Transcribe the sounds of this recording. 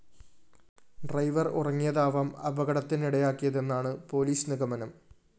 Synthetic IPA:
ɖrɐjʋɐrṵrɐŋːijɐðaːʋaːmɐ̰bɐɣɐɽɐt̪ːiniɽɐjaːkːijɐðe̞nːaːɳɨpo̞ːliːsniɣɐmɐnɐm

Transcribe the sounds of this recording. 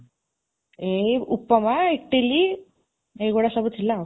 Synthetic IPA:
eupːəmaekʈili | eɡɔɽasəbət̪ʰːila

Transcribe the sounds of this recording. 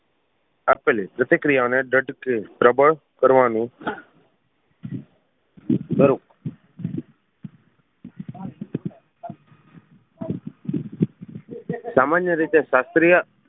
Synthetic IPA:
apelipɾət̪ɪkɾijaneɖəɖkipɾəbəɭ | kəɾʋani | d̪əɾuk | samanjəɾit̪eʃast̪ɾija

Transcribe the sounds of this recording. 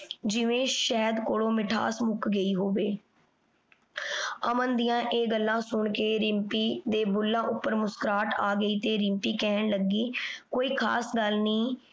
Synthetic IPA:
d͡ʒɪʋẽːʃɛːd̪koːɽoːmɪʈʰa̰ːsmʊkɡəiːɦoːʋeː | əmənd̪ijãːʔeːɡəlːãːsʊɳkeːɾɪmpiːd̪eːbʊlːãːʔʊpːəɾmʊskɾaːʈaːɡəiːt̪eːɾɪmpiːkɛːɳləɡiːkoːiːkʰa̰ːsɡəlniː

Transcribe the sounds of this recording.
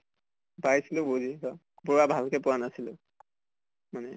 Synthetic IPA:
bajsilʊbozikɔ | buɹabʱalkɛpʊwanasilʊ | manɛ

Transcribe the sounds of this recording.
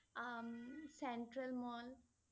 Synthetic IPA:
sẽɳʈɾəlmɔːl

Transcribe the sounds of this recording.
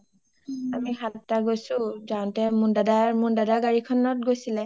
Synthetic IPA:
amixʰaltaɡojsʊ̃zaw̃ntɛmundadamundadaɡaɹikʰɔnɔt̚ɡojsilɛ

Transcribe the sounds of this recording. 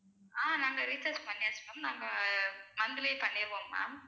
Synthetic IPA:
aːnaːŋɡɐɾisɐɾspɐɳːɪaːsnɐmnaːŋɡɐmɐnd̪ɪljepɐɳːɪɾɯʋoːmːa̰ː

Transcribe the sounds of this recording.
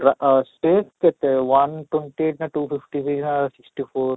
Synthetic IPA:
ɾasʈeːskɛt̪eʋɐnʈweɳʈieːʈnaʈuːfifʈisiknasɪksʈifoːɾ

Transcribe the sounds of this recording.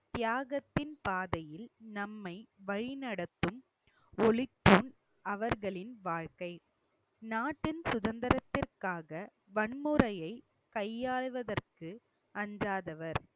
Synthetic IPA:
t̪ɪjaːɣɐt̪ːɪnpaːðɐjɪlnɐmːɐɪʋɐɻɪnɐɽɐt̪ːɯm | ɔɭɪt̪ːuːn | ɐʋɐɾɣɐɭɪnʋaːɻkɐɪ | naːʈːɪnsʊðɐnd̪ɐɾɐt̪ːɪrkaːɣɐ | ʋɐɳmɯɾɐjɐɪ | kɐjːaːɭʋɐðɐrkɯ | ɐɲd͡ʒaːðɐʋɐɾ

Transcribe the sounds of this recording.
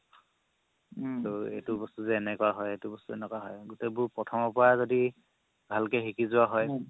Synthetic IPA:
toḛjtubɔstuzɛːnɛkʊaɦɔjejtubɔstuɛnɛkwaɦɔjɡʊtebʊɹpɹɔtʰɔmɔpɔɹazodi | bʱalkɛxikizʊwaɦɔj

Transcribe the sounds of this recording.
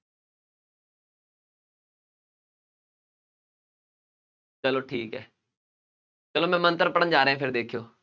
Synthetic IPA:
t͡ʃəloːʈʰiːkɦɛ̰ː | t͡ʃəloːmɛ̃ːmə̃nt̪əɾpəɽənd͡ʒaːɾɦɛ̃ːpʰɪɾd̪eːkʰjoː

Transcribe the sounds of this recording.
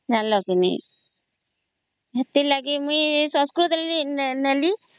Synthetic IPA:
d͡ʒanlɔkinḭ | ɦət̪ilaɡimuisɔ̃skɾut̪llinəli

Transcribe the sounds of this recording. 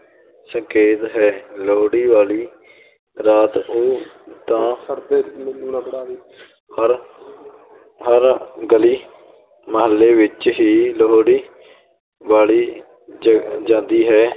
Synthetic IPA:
sə̃ŋkeːt̪ɦɛːloɦoɽiːʋaːliː | ɾaːt̪oːt̪ãː | ɾ | ɦəɾɡəliː | məɦəlːeːʋɪt͡ʃɦiːloɦɽiː | ʋaːliː | d͡ʒãːnd̪iːɦɛː

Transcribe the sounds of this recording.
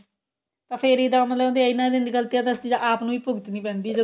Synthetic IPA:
t̪ãːpʰeɾid̪ãːmət̪lːd̪eaɪnãːd̪end̪iːɡəlt̪ijaːt̪əst̪iːd͡ʒaʔaːpnũːiːpʊɡət̪nĩːpɛ̃ːnd̪iːd͡ʒə

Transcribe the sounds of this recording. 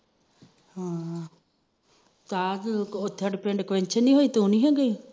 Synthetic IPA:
hãː | t̪aːot̪ʰːaɖpɛ̃ɳɖkʋɛ̃ɲt͡ʃʰənːĩːɦoːiːt̪ũːniːɦɛ̃ːɡəiː

